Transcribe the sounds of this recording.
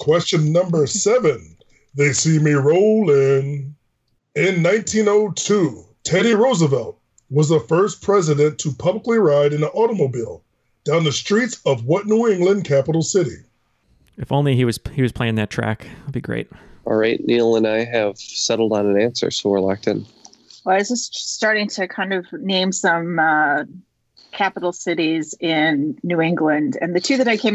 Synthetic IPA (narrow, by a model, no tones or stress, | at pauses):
kʰw̥ɛst͡ʃɨ̃nːʌ̃mbə˞sɛvɨ̃n | ðeɪsimiɹoʊlˠɪ̃n | ɪ̃nːãɪ̃ntʰĩnoʊtʰu | tʰɛɾiɹoʊzəvɛlˠt̚ | wʌzðəfɜ˞spʰɹ̥ɛzɨɾɨ̃ntʰɨpʰʌbləkliɹaɪɾɨ̃nəʔɔɾəmoʊbilˠ | d̥ãʊ̃nðɨstɹ̥itsʌvwʌtⁿnuɪ̃ŋɡlɨ̃nkʰæpəɾl̩ˠsɪɾḭ | ɨfõʊ̃nliiwʌz̥hiwʌz̥pʰl̥eɪɪ̃ŋðɨtʰɹ̥æ̰klˠbiɡɹḛɪt̚ʔɑ̰lˠɹaɪtⁿnil̩ˠə̃naɪɨv̥sɛɾl̩ˠdn̩ə̃næ̃nsə̰˞soʊwə˞lɑk̚tɨ̰̃n | wɛlˠaɪzd͡ʒʌsstɑɹɾɪ̃ŋtʰɨkʰãɪ̃ndʌvnẽɪ̃msʌ̃mʌ | kʰæpəɾl̩ˠsɪɾizɪ̃nːʉɪ̃ŋɡlɨ̃ndɨ̰̃nðɨtʰʉðɨɾaɪkʰẽɪ̃